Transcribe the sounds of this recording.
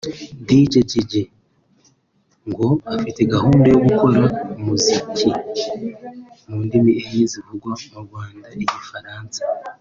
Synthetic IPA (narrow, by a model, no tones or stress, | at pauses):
diɟeɟeɟe̞ | ŋɡo̞afite̞ɡahuːndejo̞ɡuko̞ɾamuzicʰi | muːndimieiːzivuɡwaumuɾɡwaːndaiɟifaɾaːnsḁ